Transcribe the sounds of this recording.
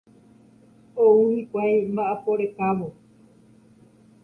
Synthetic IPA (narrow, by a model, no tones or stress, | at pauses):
ouhikʷajmbaʔapoɾekaʋo